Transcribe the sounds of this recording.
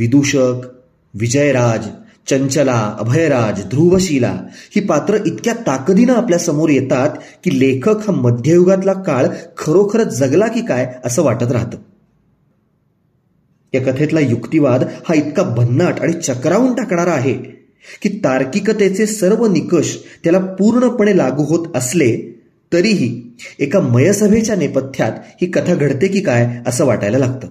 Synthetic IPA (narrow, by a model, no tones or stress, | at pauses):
ʋid̪uɕək | ʋid͡ʑəjɾad͡z | t͡ɕəɲt͡ɕəlaə̰bʱəjɾad͡zd̪ʱɾuʋəɕila̰hiːpat̪ɾəʔit̪kjat̪akd̪inaːpljasəmoɾjet̪at̪kiːlekʰəkhaməd̪ʱjəjuɡat̪lakaɭkʰəɾokʰəɾət̪̚d͡zəɡlakiːkajəsəːʋaʈət̪̬ɾa̰ɦt̪ə | jakət̪ʰet̪lajukt̪iʋad̪hait̪kabʱənːaʈaɽ̃it͡ɕəkɾauːɳʈakɳ̃aɾaːɦe | kiːt̪aɾkikət̪et͡sesəɾʋənikəɕt̪jalapuɾɳəpəɳ̃elaɡuːɦot̪əsle | t̪əɾiːɦiːekaməjəsəbʱet͡ɕjanepət̪ʰːja̰t̪hiːkət̪ʰaɡʱəɽt̪ekiːkajəsəːʋa̰ʈajləlaɡ̚t̪əː